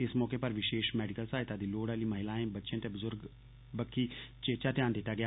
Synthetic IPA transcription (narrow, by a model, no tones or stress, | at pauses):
ɪsmɔːkepəɾʋɪʃeːʃmɛːɖɪkəlsaːɪt̪aːd̪iːloːɽaːliːməɦɪlaːẽːbətːʃẽːt̪ebʊzʊɾɡ | bəkʰːiːt͡ʃeːt͡ʃaːt̪jaːnd̪ɪt̪ːaːɡɪjaː